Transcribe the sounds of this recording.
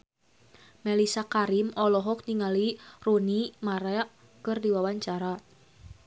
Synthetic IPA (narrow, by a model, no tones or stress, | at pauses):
mɛlisakaɾimɔlɔɦɔk̚niŋalirunimaɾɛʔ | kɨrdiwawaɲt͡ʃaɾa